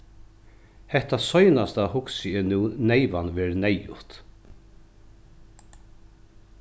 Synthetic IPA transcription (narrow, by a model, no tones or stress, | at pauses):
hɛht̪asɔjnast̪ahʊksɪɛnuːnɛjʋanʋɛːɾnɛjʊ̰ht̪